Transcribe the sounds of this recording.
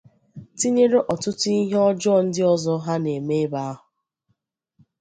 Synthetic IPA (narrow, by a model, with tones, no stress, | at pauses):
ti˦ɲe˦ɾe˦ʔɔ˨tʊ˦tʊ˦i˦ɦe˦ɔ˦d͡ʒɔ˦˨n̩˦dɪ˦ɔ˦zɔ˦ɦa˦ne˨me˦ba˦a˦ɦʊ˨